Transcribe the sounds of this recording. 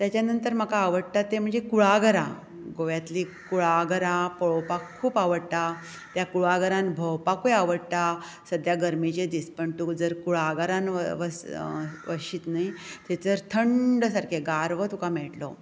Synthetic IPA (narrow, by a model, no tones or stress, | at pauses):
t̪jat͡ɕjanənt̪əɾm̤əkaːʋəɽt̪at̪ːem̤əɳd͡zekuɭaɡəɾa | ɡoʋjat̪likuɭaɡəɾapəɭopakʰːuːpaʋəɽt̪a | t̪jakuɭaɡəɾãnbʱəwpakujaʋəɽt̪a | səd̪ʱjaɡəɾmit͡ɕed̪ispəɳt̪ukd͡zəɾkuɭaɡəɾãnəʋəsʋəɕiːt̪nait̪et͡səɾt̪ʰəɳɖəsaɾkʰeɡaɾʋət̪ukamɛɭʈlo̰